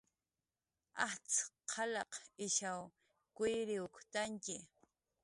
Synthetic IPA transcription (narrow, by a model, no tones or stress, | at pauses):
aht͡sqʰɑlɑqɪʃaw | kʊjɾɪʊkt̪aŋkɪ